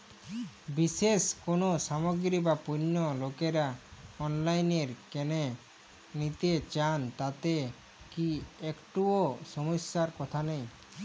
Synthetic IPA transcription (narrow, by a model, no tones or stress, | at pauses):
biʃeʃkonoʃamoɡɾibapunːolokeɾaɔnlajneɾkene | nit̪et͡ɕant̪at̪e | kiekʈuoʃɔmosːaɾkɔt̪ʰanej